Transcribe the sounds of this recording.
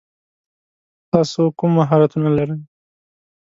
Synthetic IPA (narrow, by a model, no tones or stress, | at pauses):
t̪ɑsokumːaɦɑɾat̪unalaɾəj